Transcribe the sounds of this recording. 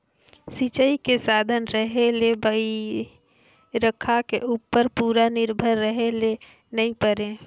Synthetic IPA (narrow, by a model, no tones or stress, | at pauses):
sit͡ʃəikesaːd̪ʱənɾəɦelebəi | ɾəkʰːakeʔuːpːəɾpuːɾanɪɾbʱəɾːəɦele | nəĩpəɾẽ